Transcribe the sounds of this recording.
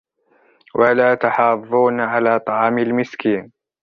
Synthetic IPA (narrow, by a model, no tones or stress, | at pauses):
wʔalaːt̪ɑħɑːðˤuːnʕalaːt̪ˤɑʕɑːmalmɪskiːn